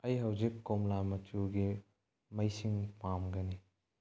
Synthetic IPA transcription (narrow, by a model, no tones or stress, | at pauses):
ɐjɦɐwzikːomlamɐtʰuɡi | mɐjsiŋpamɡɐni